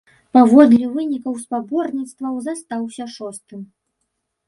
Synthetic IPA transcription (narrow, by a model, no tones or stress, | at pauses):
pavɔd̪lʲivɨnʲikɐwspabɔrnʲit̪st̪vɐwzast̪awsʲɐʂɔst̪ɨm